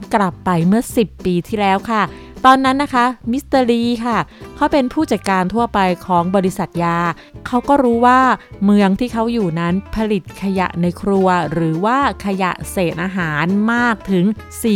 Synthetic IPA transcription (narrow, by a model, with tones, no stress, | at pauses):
kla˨˩pːa˧jmɯ˥˩ɐsi˨˩pːiː˧t̪ʰiː˥˩lɛː˦˥wkʰa˥˩ | t̪ɔː˧nːa˦˥nːa˦˥kʰa˦˥mi˦˥st̪əː˧ɾiː˧kʰa˥˩kʰa˦˥wpe˧npʰuː˥˩t͡ɕa˨t̪̚kaː˧nt̪ʰu˥˩ɐpa˧jkʰɔː˩˦ŋbɔː˧ɾi˦˥sa˨˩t̪̚jaː˧ | kʰa˦˥wkɔː˥˩ɾuː˦˥waː˥˩mɯ˧˥əŋt̪ʰiː˥˩kʰa˦˥wjuː˨˩na˦˥npʰa˧li˨˩t̪̚kʰa˧ja̰˨˩ʔna˧jkʰɾu˧ɐɾɯː˩˦waː˥˩kʰa˧ja̰˨˩ʔseː˨˩t̪̚ʔaː˧ɦaː˩˦nmaː˥˩k̚t̪ʰɯ˩˦ŋsiː˨˩